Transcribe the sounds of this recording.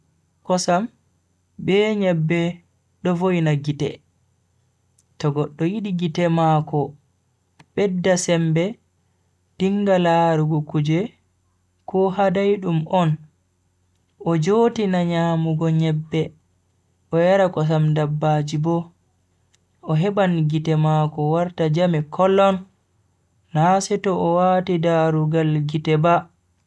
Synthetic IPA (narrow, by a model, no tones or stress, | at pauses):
kɔsam | bɛɲɛbːɛ | ɗɔvojnaɡitɛ̰ | tɔɡɔɗːɔjiɗiɡitɛmakɔ | ɓɛdːasɛmbɛ | d̥iŋɡalaːɾuɡukud͡ʒɛ | kɔhadajɗumɔn | ʔɔd͡ʒoːtinaɲaːmuɡɔɲɛbːɛ | ʔɔjaɾakɔs̬amdabːad͡ʒibɔ | ɔɦɛɓanɡitɛmakɔwaɾtad͡ʒamɛkʰɔlːɔn | asɛtɔʔɔwatidaɾuɡalɡitɛba